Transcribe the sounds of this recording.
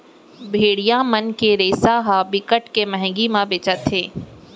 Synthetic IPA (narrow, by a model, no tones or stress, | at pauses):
bʱeːɽijãmənkeɾeːsaɦabɪkəʈkemɛɦɛ̃ŋɡimãbeːt͡ʃət̪ɦeː